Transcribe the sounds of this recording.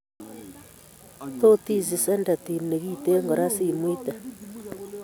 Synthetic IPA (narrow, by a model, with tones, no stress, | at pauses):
to˦ti˦˨zi˨se˦nda˨ti˨ne˨ɣi˦te˦ŋɡo˨ɾa˦si˦˨mwi˦ta˨